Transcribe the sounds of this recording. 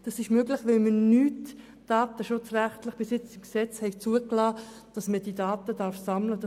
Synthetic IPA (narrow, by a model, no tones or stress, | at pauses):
d̥ɑsɪʃmøɡlɪχʋɛlmənyːt | d̥ɑːt̪əʃʊt͡sræχtlɪχb̥ɪsɪt͡sɪmksɛt͡shɛɪkt͡suəklɑː | d̥ɑsməd̥iːdɑːt̪əd̥ɑɾfsɑmləd̥ɑ